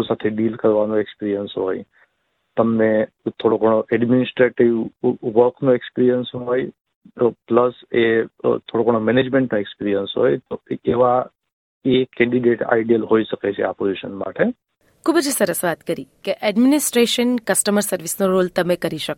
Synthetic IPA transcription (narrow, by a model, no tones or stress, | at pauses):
sat̪ʰeɖilkəɾʋanoekspiɾijənsɦo̰j | t̪əmne | t̪ʰoɽokɔɽ̃oʔɛɖminɪsʈɾeʈiʋʋəɾkʰnoekspiɾijənsɦoj | pləset̪ʰoɽokɔɳomɛned͡ʒmẽɳʈnoekspiɾijənsɦo̰jt̪oeʋa | ekɛ̃ɳɖiɖeʈa̰jɖijəlɦoiʃəket͡ʃʰḛa̰poziʃə̰nma̰ʈe | kʰubəd͡ʒsəɾəsʋat̪kəɾikeʔɛɖminɪsʈɾeʃənkəsʈəməɾsəɾʋisnoɾolt̪əmekəɾiʃək